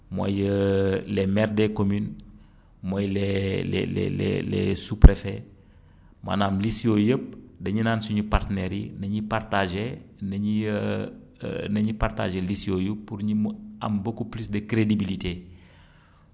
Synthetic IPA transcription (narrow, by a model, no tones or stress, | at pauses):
mo̰jəlemɛrdekomyn | mojlelɛ̰lɛ̰lḛlḛsupɾefe | ma̰naːmlisiojəp̚dɐɲinaːnsuɲupartneɾjḭnɐɲipartaʒenɐɲi | nɐɲiparta̰ʒelisiojuːuɾɲima̰mbokuplisdəkɾedibilite